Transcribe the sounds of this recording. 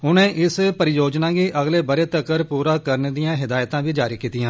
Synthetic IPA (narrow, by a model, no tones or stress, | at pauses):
ʊnẽːʔɪspəɾɪjoːd͡ʒnãːɡiːʔəɡleːbəɾeːt̪əkəɾpuːɾaːkəɾneːd̪ɪjãːɦɪd̪aːjt̪ãːʋiːd͡ʒaːɾiːkiːt̪ɪjãː